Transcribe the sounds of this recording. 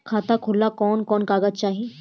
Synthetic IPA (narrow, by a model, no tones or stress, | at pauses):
kʰaːt̪akʰʊlːakɔːnkɔːnkaːɡəd̪̚t͡ʃaːɦi